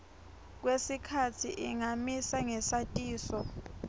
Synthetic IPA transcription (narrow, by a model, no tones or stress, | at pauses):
k̬wesikʰatʰiʔiŋamisaŋɛsatʼiːsɔ